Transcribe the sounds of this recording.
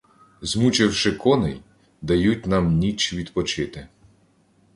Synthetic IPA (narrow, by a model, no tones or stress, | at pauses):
zmut͡ʃɪwʃɪkɔnɪ̰j | d̪ɐjut̚ʲnɑmnʲit͡ʃʋʲid̪pɔt͡ʃɪt̪ɪ